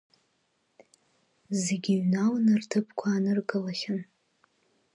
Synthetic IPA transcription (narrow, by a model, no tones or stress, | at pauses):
zeɡʲiɥnawnɨrtʰɨpʰkʷʰaːnɨrɡɨlaχʲɪn